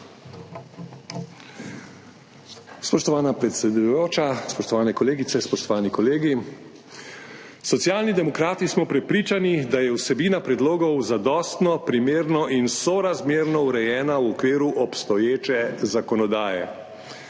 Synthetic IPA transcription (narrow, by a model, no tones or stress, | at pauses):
spɔʃt̪ɔʋaːnapɾɛt̪sɛd̪ujoːt͡ʃaspɔʃt̪ɔʋaːnɛkɔleːɡit̪sɛspɔʃt̪ɔʋaːnikɔleːɡi | sɔt̪sjaːlnid̪ɛmɔkɾaːt̪ismɔpɾɛpɾiːt͡ʃanid̪ajɛwsɛbiːnapɾɛd̪loːɡɔwzad̪ɔːst̪nɔpɾimeːɾnɔʔinsɔɾazmeːɾnɔuɾɛjɛːnawɔkʋeːɾuʔɔpst̪ɔjeːt͡ʃɛzakɔnɔd̪aːjɛ̰